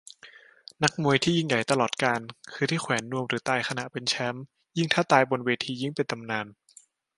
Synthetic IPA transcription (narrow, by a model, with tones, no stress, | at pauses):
na˦˥k̚mu˧əjt̪ʰiː˥˩ji˥˩ŋja˨˩jt̪a˧lɔː˨˩t̪̚kaː˧nkʰɯː˧t̪ʰiː˥˩kʰwɛː˩˦nːu˧əmɾɯː˩˦t̪aː˧jkʰa˧na˨˩ʔpe˧nt͡ɕʰɛ˦˥m | ji˥˩ŋt̪ʰaː˥˩t̪aː˧jbo˧nweː˧t̪ʰiː˧ji˥˩ŋpe˧nt̪ʰa˧mnaː˧n